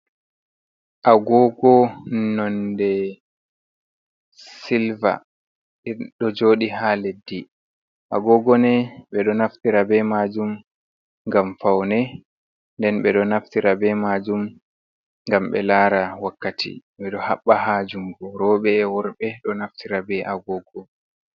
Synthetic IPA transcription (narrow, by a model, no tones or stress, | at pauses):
ʔaɡɔɡɔnɔndɛ | silva̰ | ɗɔd͡ʒoːɗiɦaledːi | ʔaɡɔɡɔnɛɓɛɗɔnaftiɾabɛmad͡ʒum | ŋɡamfawnɛ | ndɛnɓɛɗɔnaftiɾabɛmad͡ʒum | ŋɡamɓɛ̰laːɾawakːatʰḭɓɛɗɔhaɓːaɦaːd͡ʒumɡɔɾɔɓɛwɔɾɓɛɗɔnaftʰiɾabɛʔaɡɔɡɔ